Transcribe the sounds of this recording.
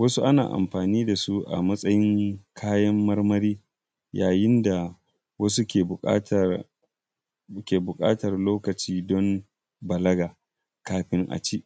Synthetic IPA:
wɐ˦su˦ʔa˦na̰ː˨ʔa̰˨mɸaː˨niː˦da˨su˦ʔa̰˨mɐ˦sʼɐ˦jɪ˦ŋkʰaː˦jɐ˦mːɐ˦rmɐ˦ɾiː˦ | jaː˨jɪ˦nda˨ | wɐ˦su˦kʲeː˨˦t | kʲeː˨bʊ˨kʼa̰ː˦tɐ˨rloː˦kɐ˨t͡ʃiː˦dɔ˦m | bɐ˨lɐ˦ɡaː˨ | kaː˦ɸɪ˦ŋʔa̰˨t͡ʃiː˦ʔ

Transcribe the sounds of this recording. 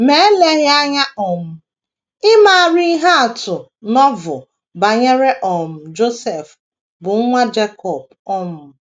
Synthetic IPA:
me˨e˦le˦ɣɪ˦a˦ɲa˦ʔɔ˨m̩˦ | ɪ˦ma˨a˨ɾi˦i˦ɦa˦a˨tʊ˨ | nɔ˦vʊ˨ | ba˨ɲe˦ɾe˦ʔɔ˨m̩˨d͡ʒo˦se˨f | bʊ˨˦ŋʷa˦d͡ʒe˦kɔ˨b̚ | ɔ˦mʊ˨

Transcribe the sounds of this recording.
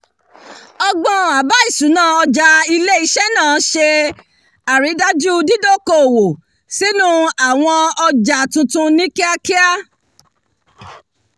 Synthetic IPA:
ɔ˧ɡ͡bɔ̃˧a˨ba˨˦i˦˨su˨˦nãː˦˨ɔ˧d͡ʒa˧i˧le˦i˦ʃɛ˦nãː˦˨˦ʃe˧ | a˨ɾi˨˦da˦d͡ʒu˦˧di˦do˦˨ko˧o˨wo˨ | si˦nũ˦a˦˨w̃ɔ̃˧ɔ˧d͡ʒa˨tũ˧tũ˧nĩ˦ki˦a˦ki˦a˦

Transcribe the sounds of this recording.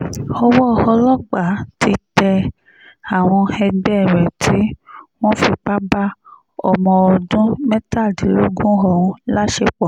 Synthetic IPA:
ɔ˦wɔ˦˨hɔ˧lɔ˦ɡ͡ba˨tʰi˧tɛ˧ | a˨w̃ɔ̃˧hɛ˧dɛ˦˨ɾɛ˨tʰi˦w̃ɔ̃˦fi˧k͡pa˦ba˦ | ɔ̰˨mɔ̃˨wɔ˨dũ˦mɛ̃˦ta˦˨di˨ɾu˦ɡũ˦ɦɔ˨wũ˦la˦ʃe˧˦k͡pɔ˨

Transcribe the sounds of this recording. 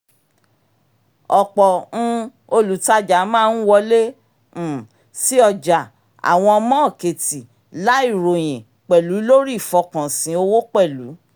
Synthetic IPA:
ɔ˨k͡pɔ˨ñ̩˦ | o˧lu˨ta˧d͡ʒa˨˦mãː˦˧n̩˦wɔ˧lẽ˦˨ | si˦ɔ˧˨d͡ʒa˨ | a̰˨w̃ɔ̃˧ɔ˧mɔ̃˦ɔ˦˨ke˨ti˨ | la˨˦i˦˨ɾo˨j̃ẽ˨ | k͡pɛ˨lu˨˦lo˦ɾi˦˨fɔ˧kã˨sĩ˨˦o˧wo˦k͡pɛ˦˨lu˨˦

